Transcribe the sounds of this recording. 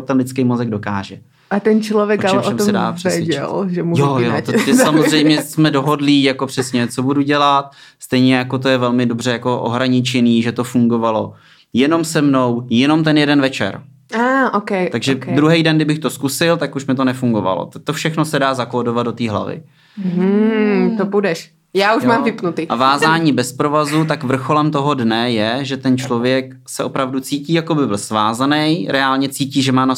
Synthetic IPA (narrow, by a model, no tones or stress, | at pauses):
t̪ɛnlɪt͡skejmozɛɡ̚do̞kaːʒɛ | ʔat̪ɛnt͡ʃlovjɛkalɛʔoɛmosɛdaːr̥ɛɛsvɛɟɛ̰lʒɛmujojot̪oɛsamozrɛjmɲɛsmɛdo̞ɦo̞dlijakopr̝̥ɛsɲɛt͡so̞buduɟɛlat̪̚st̪ɛjɲɛjako̞t̪̬o̞jɛvɛlmɪdobr̝ɛjako̞ʔo̰ɦɾaɲɪt͡ʃɛniːʒɛt̪o̞fuŋɡo̞valo̞ | jɛno̞msɛmno̞wjɛno̞mt̪ɛnjɛdɛnvɛt͡ʃɛ̰ɾ | aːʔokɛjʔt̪aɡʒɛd̪ɾuɦɛjdɛnɡdɪbɪxt̪o̞skusɪlt̪akuʃmɪt̪o̞nɛfuŋɡo̞va̰lo̰t̪t̪ofʃɛxnosɛdaːzakoːdovad̪do̞t̪iːɦla̰vɪ̰ | t̪obudɛʃ | jaːuʃmaːmvɪpnut̪ɪʔavaːzaːɲiːbɛspɾo̞vazut̪akvr̩xo̞lɛmt̪o̞ɦo̞dnɛjɛʒɛt̪ɛnt͡ʃlo̞vjɛk | sɛʔo̞pɾavdut͡siːciːjako̞bɪbɪlsvaːzanɛjɾʔɛaːlɲɛt͡siːciːʒɛmaːna